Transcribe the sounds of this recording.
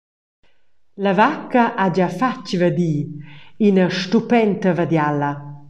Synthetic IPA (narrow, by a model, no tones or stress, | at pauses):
lavakːaʔad͡ʒafat͡ʃvəd̪iːinəʃt̪upɛnt̪əvad̪jala